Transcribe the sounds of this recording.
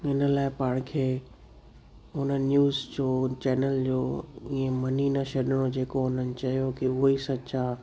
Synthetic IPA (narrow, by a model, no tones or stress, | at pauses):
ɪnə̆laːɪpaːɽ̃̆kʰeː | ɦʊnənjuːzd͡ʑoːt͡ɕɛːnəld͡ʑoːiẽmɐninɐʃɐɗɪɽ̃od͡ʑeːkoɦʊnənɪ̆t͡ɕɐɦijokiʊɦisɐa